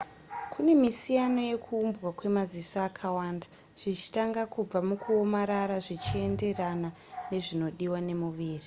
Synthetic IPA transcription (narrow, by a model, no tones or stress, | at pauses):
kʰune̞misijano̞je̞kʰuːmbɣakwe̞mazisaːkʰawaːnda | ʐ̥it͡ʃi̥taŋɡakub͡vamukʰuo̞maɾaɾaʐit͡ʃie̞nde̞rana | ne̞ʐino̞ɗiwane̞muʋiːri